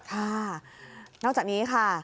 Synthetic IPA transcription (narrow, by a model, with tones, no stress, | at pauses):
kʰa˥˩ | nɔ˥˩kt͡ɕaː˨˩niː˦˥kʰa˥˩